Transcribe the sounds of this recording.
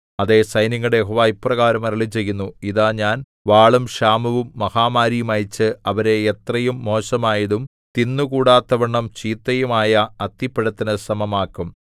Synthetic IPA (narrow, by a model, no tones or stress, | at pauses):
ɐðe̞sɐjniŋːɐɽejeɦoːʋaːjipːrɐɣaːɾɐmɐɾɐɭit͡ɕe̞jːunːuiðaːɲaːn | ʋaːɭumɕaːmuʋumːɐhaːmaːɾijumɐjt͡ɕːɨɐʋɐɾe̞ːt̪rɐjumːo̞ːɕɐmaːjɐðum | t̪inːukuːɽaːt̪ːɐʋɐɳːɐmt͡ɕiːt̪ːɐjumaːjɐɐt̪ːipːeɽɐt̪ːinɨsɐmɐmaːkːum